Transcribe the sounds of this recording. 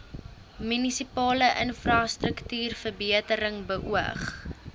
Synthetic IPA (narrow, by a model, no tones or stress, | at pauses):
mynisipɑːləʔənfrɑːstrəktyːrfərbiətəɾəŋbəʔuə̰χ